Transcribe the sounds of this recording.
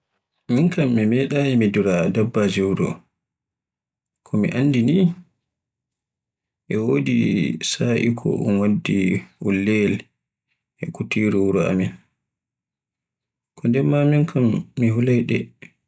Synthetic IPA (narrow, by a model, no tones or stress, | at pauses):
miŋkamːimɛɗajimiduɾadabːad͡ʒiwɾɔ̰ | kʰɔmḭʔanːdini | ʔɛwoːdisaːʔḭkʰɔ̰ʔṵnwadːiulːɛl | ʔɛkutiɾuwuɾɔa̰min | kʰɔndɛmːamiŋkʰamːiɦulajɗɛ